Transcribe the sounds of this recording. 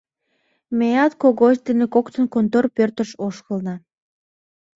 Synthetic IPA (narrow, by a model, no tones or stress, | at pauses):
mejɑt̪koɣod̪enekokt̪ə̆nkont̪orpørt̪ə̆ʃoʃkə̆lnɑ